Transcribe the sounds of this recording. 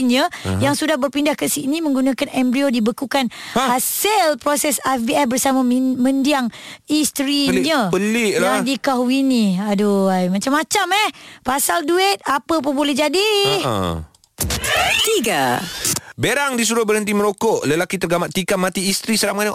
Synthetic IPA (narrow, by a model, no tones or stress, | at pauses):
ɲə̃jaŋsudahbərpindahkəsinĩmə̃ŋɡunãkanɛmbɾiodibəkukanhasəlpɾosɛsaviɛfbərsamãmə̃ndiaŋist̪ɾiɲəpəliladikaɦiniadoajmat͡ʃamːat͡ʃamɛhpasalduɪt̪̚apəp̬unbolɛhd͡ʒadḭ | ət̪ika | beɾaŋdis̬uɾʊhbərhənt̪̬iməɾokɔʔləlakit̪ərɡamaʔt̪ikamat̪iːst̪ɾisəɾaman